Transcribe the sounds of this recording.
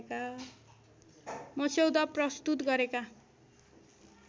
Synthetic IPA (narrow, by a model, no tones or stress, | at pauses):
ka | mʌsewd̪ʌprʌst̪ut̪ɡʌɾeka